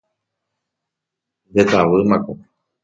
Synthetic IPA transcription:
d̪et̪aʋɨmãko

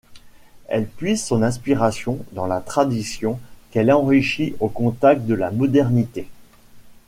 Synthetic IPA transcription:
ɛ̰lpɥizsɔ̃nɛ̃spiʁasjɔ̃d̪ɑ̃lat̪χad̪isjɔ̃kɛlɑ̃ʁiʃiʔokɔ̃t̪ak̚t̪̚d̪əlamɔd̪ɛʁnit̪e

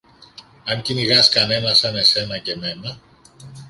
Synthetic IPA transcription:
ɐŋciniɣɐskɐne̞nɐsɐne̞se̞nɐce̞me̞nɐ

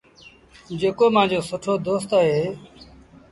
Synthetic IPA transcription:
d͡ʒeːkoːmãːd͡ʒoːsʊʈʰoːd̪oːst̪aɦeː

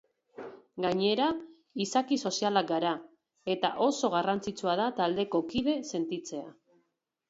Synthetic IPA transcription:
ɡaɲe̞ɾa | isakiso̞sialak̚ɡaɾa | e̞t̪aʔo̞so̞ɣ̞arant͡sit͡suað̞at̪ald̪e̞ko̞kiðe̞se̞nt̪it͡se̞a

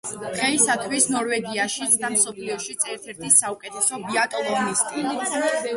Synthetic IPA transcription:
d̪̥ʁɛisat̪ʰwisnɔɾvɛɡiaʃit̪sʰd̪amsɔpʰliɔʃit̪sʰɛɾt̪ʰɛɾt̪ʰisaukʼɛt̪ʰɛsɔbiat̪ʼɔlˠɔɡnist̪ʼi

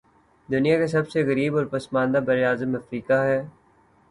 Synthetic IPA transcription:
d̪ʊnijakes̬ɐbseɣəɾiːbɔːɾpɐsmãːnd̪abɐɾeaːzəmɐfɾiːkaɦɛː

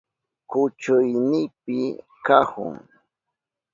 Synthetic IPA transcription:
kʊt͡ʃʊjnɪpɪ | kahʊ̰ŋ

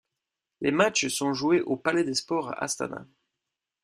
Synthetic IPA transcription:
lemat͡ʃsɔ̃ʒueʔopalɛd̪espɔʁa̰ʔa̰st̪a̰na̰

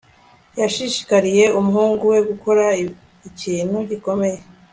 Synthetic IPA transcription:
jaʃiʃi̥kaɾije̞umuɦhuːŋɡuwe̞ɡukʰo̞ɾa | iciːn̥huɟiko̞me̞je

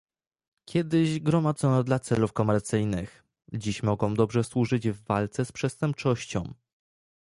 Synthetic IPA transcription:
kʲjɛd̪ɘʑɡɾɔmad̪zɔnɔd̪lat̪sɛlufkɔmɛɾt̪sɘjnɘx | d͡ʑiɕmɔɡɔ̃w̃d̪ɔbʐɛswuʐɘd͡ʑvːalt̪sɛspʂɛst̪ɛmp̚t͡ʂɔɕt͡ɕɔ̰̃w̃

